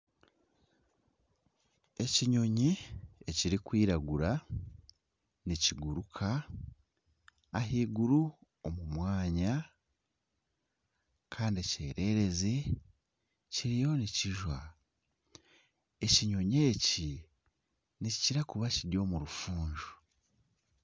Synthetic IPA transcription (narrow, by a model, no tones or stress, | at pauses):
e̞ciɲo̞ɲieciɾikwiːɾaɡuɾa | niciɡuɾukʰa | ɦiːɡuɾu | o̞mumwaːɲa | kʰaːndie̞ce̞ːɾe̞ɾe̞ze | ciɾijo̞niciʒwa | e̞ciɲo̞ɲeːci | nicciɾakuβaciɾjo̞ːmuɾufuːɲʒu̥